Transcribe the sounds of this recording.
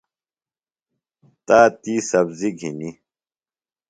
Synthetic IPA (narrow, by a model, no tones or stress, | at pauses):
t̪aːt̪iːsɐbziɡʱini